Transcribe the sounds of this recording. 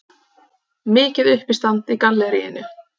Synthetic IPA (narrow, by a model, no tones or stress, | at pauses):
mɪːcɪðʏhpist̪ant̪ikanllːɛɾḭːɪ̰nʏ